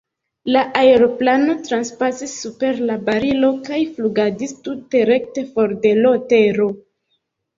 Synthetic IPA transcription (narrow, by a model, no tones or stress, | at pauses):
laʔaeɾo̞plano̞tɾanspasisːupe̞ɾlabaɾilo̞kajfluɡadistute̞ɾe̞k̚te̞fo̞ɾde̞lo̞te̞ɾo̞